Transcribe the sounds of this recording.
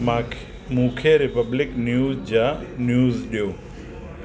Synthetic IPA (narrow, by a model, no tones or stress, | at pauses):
ma | mũːkʰeɾɪpəblɪknjuːzd͡ʒanjuːzɗjoː